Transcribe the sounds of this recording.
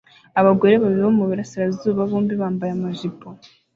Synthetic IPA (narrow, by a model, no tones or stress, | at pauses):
aβaɡo̞ɾe̞βaβiiβomuβiɾasiɾazuːβaβuːmbiβaːmbajamaʒipʰo